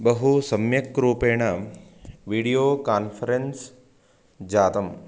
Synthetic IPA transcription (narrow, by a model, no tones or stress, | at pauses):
bɐɦusɐmjɐkːɾuːpeːɳɐ | ʋiːɽijoːkaːnfʰɐɾens | d͡ʒaːt̪ɐm